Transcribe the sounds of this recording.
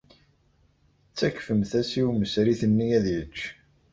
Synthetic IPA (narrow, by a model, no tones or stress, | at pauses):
t͡sːæçfəmθæsiwməsɾiθənːijæðjət͡ʃː